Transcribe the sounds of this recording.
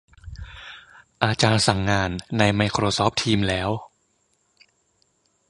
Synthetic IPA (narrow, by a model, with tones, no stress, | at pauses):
ʔaː˧t͡ɕaː˧nsa˨˩ŋːaː˧nːa˧jma˧jkʰɾoː˧sɔː˦˥p̚t̪ʰiː˧mlɛː˦˥w